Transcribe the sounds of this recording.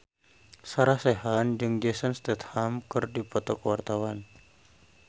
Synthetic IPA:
saɾahseɦand͡ʒɨŋd͡ʒɛsanst̪ɛt̪hamkɨrdipɔt̪ɔkəwart̪awan

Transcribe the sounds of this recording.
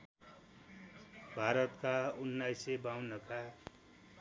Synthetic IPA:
bʱaɾʌt̪kaunːajsebawnʌka

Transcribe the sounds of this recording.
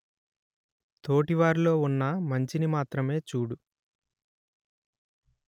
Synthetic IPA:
t̪o̞ːʈiʋaːɾulo̞ːunːɐmɐɲt͡ʃinimaːt̪ɾɐme̞ːt͡ʃuːɽu

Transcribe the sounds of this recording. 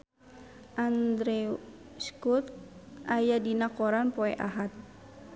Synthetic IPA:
ʔand̪ɾɛu | skut̪̚ajadinakɔɾanpɔɛʔaɦat̪̚

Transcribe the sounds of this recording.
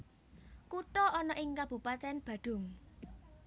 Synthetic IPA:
kuʈɔɔnɔʔɪŋkab̥ṳpat̪ɛnb̥ä̤ɖ̥ʊ̤ŋ

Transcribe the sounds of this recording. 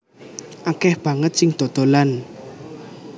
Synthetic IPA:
ʔakɛhb̥ä̤ŋət̪̚sɪŋd̪̥o̤d̪̥o̤lan

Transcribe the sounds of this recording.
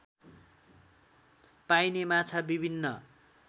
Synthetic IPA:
pajnemat͡sʰabibʱinːʌ

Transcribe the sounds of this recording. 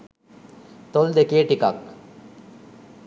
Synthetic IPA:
t̪old̪ekeːʈika̰ːk

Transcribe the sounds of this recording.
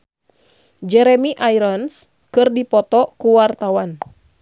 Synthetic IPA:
d͡ʒɛɾɛmiʔajɾɔns | kɨrdipɔt̪ɔkuwart̪awan

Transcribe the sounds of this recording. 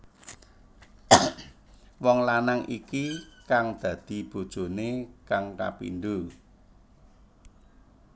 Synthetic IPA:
wɔŋlanaŋʔikikaŋd̪̥ä̤d̪̥i̤b̥o̤d̥ʒ̥o̤nekaŋka̰pḭnd̪u

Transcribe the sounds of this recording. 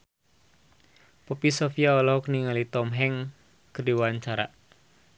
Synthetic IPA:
pɔpisɔfiaɔlɔhɔkniŋalit̪ɔmɦɛŋ | kərdiwaɲt͡ʃaɾa̰

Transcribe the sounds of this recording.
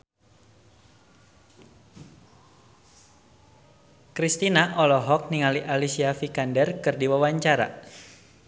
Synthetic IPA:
kɾist̪inaʔɔlɔɦɔk̚niŋaliʔalisiafikandərkɨrdiwawaɲt͡ʃaɾa̰

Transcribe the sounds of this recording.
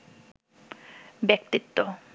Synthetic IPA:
bekt̪it̪ːo

